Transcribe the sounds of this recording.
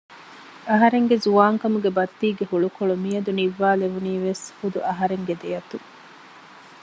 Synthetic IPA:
ɐɦɐɾeŋɡezuaːŋkɐmuɡebɐt̪ːiːɡehuɭukoɭumijɐd̪uniʋːaːleʋuniːʋeshud̪uʔɐɦɐɾeŋɡed̪ejɐt̪u

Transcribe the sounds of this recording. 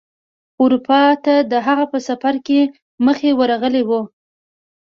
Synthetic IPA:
ʊɾupɑt̪ad̪əɦaɣapəsafaɾke | məxewəɾaɣəlewu

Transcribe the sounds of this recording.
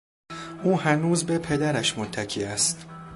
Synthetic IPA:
ʔuːhænuːzbe̞pʰe̞d̪æɾæʃmot̪ʰːæcʰiːæst̪

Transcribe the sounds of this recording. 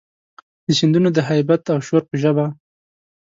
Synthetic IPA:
d̪̥əsind̪unod̪əɦajbat̪awʃoɾpəʒəba

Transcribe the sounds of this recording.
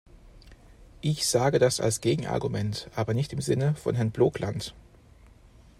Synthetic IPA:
ʔɪçz̥aːɡədasa̰lsɡ̥eːɡŋ̩ʔa̰ɐɡumɛntʔaːbɐnɪçtɪmzɪnəfɔ̰nɦɛɐnbloːklʔant

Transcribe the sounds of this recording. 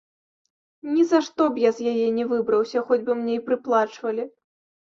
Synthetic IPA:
nʲizaʂt̪ɔbjazʲjajɛnʲɛvɨbɾɐwsʲɐxɔd͡zʲbɨmnʲejpɾɨplˠat͡ʂvɐlʲi

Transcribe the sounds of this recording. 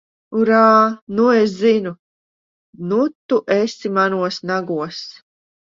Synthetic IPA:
uɾaːnues̬zinu | nut̪ːuʔesimanuɔsnaɡuɔs

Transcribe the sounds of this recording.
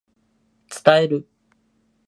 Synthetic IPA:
t͡sɨ̥t̪aeɾɯ̟

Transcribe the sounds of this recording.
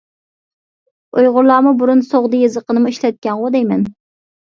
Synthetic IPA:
ojʁʊɾlˠɑːmʊbuɾunsoʁd̪ɨjezəqənɨmuiʃlɛt̪̚kʲɛnʁʊd̪ɛjmɛn

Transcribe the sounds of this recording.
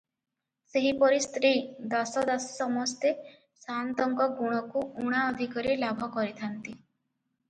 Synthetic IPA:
seɦipɔɾist̪ɾid̪ɔsɔd̪asɔ̥sɔmɔst̪e | sant̪ɔŋɡɔɡuɽ̃ɔkuuɽ̃aɔd̪ʱikɔɾilabʱɔkɔɾit̪ʰant̪i

